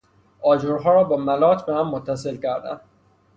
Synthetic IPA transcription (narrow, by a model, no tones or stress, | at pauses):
ʔɒːd͡ʒoɾɦɒːɾɒːbɒːmælɒːt̪ʰbehæmːot̪ʰːæs̬e̞lcæɾd̪æ̰n